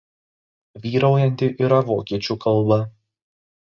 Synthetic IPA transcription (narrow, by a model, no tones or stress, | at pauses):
ʋʲiːɾɐʊjɛnʲt̪ʲɪʔiɾɐʋoːkʲiɛt͡ʃʲuːˑkɐlˠˑbɐ